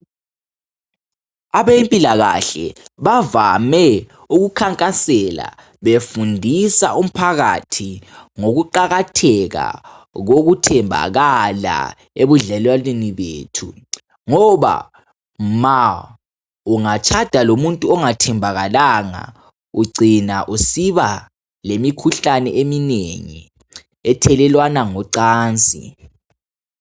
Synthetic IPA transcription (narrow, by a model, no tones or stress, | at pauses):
aβempʼilaɣa̰ɬɛ̰βavamɛ | uɣukʰaŋkʼasɛla̰ | βefundʱisa̰ʔum̩pʰaɣa̰tʰiŋoɣuǃaɣatʰɛɣa̰ | ɣoɣutʰɛmbʱa̰ɣala̰ | eβuɮɛlwalweniβḛːtʰṵ | ŋɔβa̰ | ma | uŋat͡ʃʼʰad̥ʱalomuntʼuɔŋatʰɛmbʱaɣalaŋa̰ | uɡ͡ǀinaʔusiβa | lemikʰuɬanɛ̰ʔemineŋḭ | ɛtʰɛlɛlwanaŋɔǀaːnt͡sʼḭ